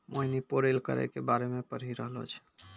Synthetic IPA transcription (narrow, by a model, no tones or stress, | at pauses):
mʔoinipoɾelkə̰ɾɛ̰kebaɾemepəɾ̤iɾəɦlo̰t͡ʃʰ